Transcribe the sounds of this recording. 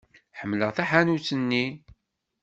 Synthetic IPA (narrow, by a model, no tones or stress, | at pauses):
ħəmːləʁθæħanut͡sːənːi